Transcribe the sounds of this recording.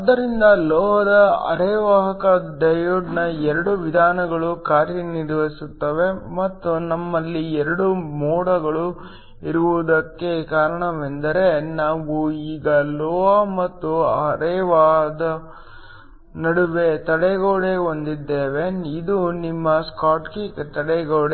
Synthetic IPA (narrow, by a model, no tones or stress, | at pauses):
ɐd̪ːɐɾind̪ɐlɔːɦɐd̪ɐɐ̰ɾɛːʋaːɦɐkɐɖɐjuɖnɐɛɾɐɽuʋid̪ʱaːnɐɡɐɭukaːɾjɐniɾʋɐisut̪ːɐʋe̞mɐt̪ːunɐmːɐlːiɛɾɐɽumɔːɽɐɡɐɭu | iɾuʋud̪ɐkːe̞kaːɾɐɳɐʋend̪ɐɾe̞naːʋuiːɡɐlɔːɐmɐt̪ːuɐɾeːʋaːd̪ɐ | nɐɽuʋet̪ɐɽɛɡoːɽeo̞nd̪id̪ːeːʋeid̪unimːɐskaːʈkiːkt̪ɐɽɛɡoːɽe